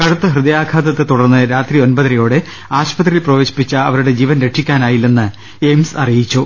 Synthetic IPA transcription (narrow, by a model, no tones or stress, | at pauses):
kɐɽut̪ːɐɦrɨd̪ɐjaːkʰaːd̪ɐt̪ːet̪uɽɐrnːɨɾaːt̪rio̞nbɐt̪ɾɐjo̞ːɽe | aːɕpɐt̪ːrilprɐʋeːɕi̥pːit͡ɕːɐɐʋɐɾuɽe̞d͡ʑiːʋɐnɾe̞ʈʂʰikʲːaːnaːjilːenːɨ | ejmsɐrijit͡ɕːu